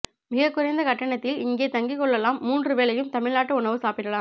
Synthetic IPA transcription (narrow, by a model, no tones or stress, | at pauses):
mɪɣɐkːʊɾɐɪnd̪ɐkɐʈːɐɳɐt̪ːɪlɪŋɡeːt̪ɐŋɡɪkɔɭːɐlaːmːuːndrɯʋeːlɐjɯmt̪ɐmɪɻnaːʈːɐʊɳɐʋɯsaːpɪʈːɐlaː